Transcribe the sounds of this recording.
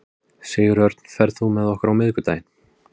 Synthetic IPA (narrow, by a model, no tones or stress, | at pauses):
sɛːjɪɾœɾt̪n̥fɛɾðθumɛðɔhkaɾawmɪðkʏt̪aːjɪn